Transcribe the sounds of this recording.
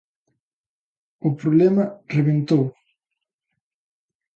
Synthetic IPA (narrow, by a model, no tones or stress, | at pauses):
ʊpɾoβlɛmɐreβent̪ow